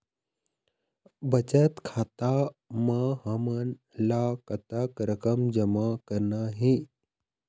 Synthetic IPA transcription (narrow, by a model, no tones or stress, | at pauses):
bɐt͡ʃət̪kʰaːt̪aməɦɐmən | lakɐt̪əkɾəkəmd͡ʒɐmakəɾnaɦi